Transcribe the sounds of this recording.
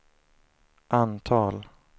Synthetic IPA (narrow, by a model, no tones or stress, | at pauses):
ʔant̪ʰɑːl